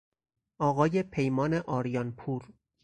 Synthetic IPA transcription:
ʔɒːɣɒːje̞pʰe̞jmɒːne̞ʔɒːɾjɒnpʰuːɾ

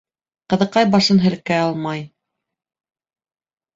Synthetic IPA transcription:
qɤ̆ðɤ̆qɑjbɑʃɤnɦɘ̆lkæɑlˠmɑj

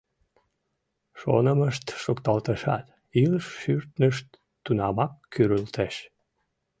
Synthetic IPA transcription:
ʃo̰nəməʃt̪ʃokt̪ɑlt̪əʃɑ̰t̪ | ilʃːyrt̪nəʃt̪ː | unɑmɑkːyɾylt̪eʃ

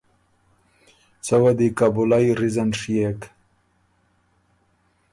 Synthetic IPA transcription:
t͡sɐwɐd̪ikabulajɾizanʂijek

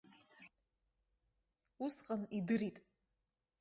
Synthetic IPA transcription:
usqʼənidɨɾitʼ

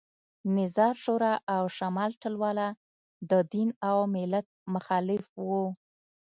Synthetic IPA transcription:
nɪzɑɾʃoɾɑʔawʃamɑlʈəlwɑla | d̪əd̪inawmɪlat̪̚mʊxɑlɪfwu

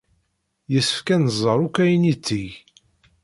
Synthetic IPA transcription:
jəsəfkænəzˤːəɾˤukʷːæjənit͡sːiʝ

